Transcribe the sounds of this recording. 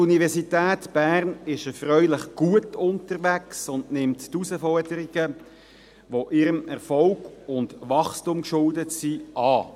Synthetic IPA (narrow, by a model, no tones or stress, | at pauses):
uniʋɛʁsitæːtb̥æːɾnɪʃəfɾœʏlɪχɡ̥uətʊntəɾʋæksʊndnɪmttusəfɔɾdəɾiɡ̥ə | ʋoʔɪɾəmɛʁfɔlɡ̥ʊndʋɑχstumkʃʊldətsiʔɑː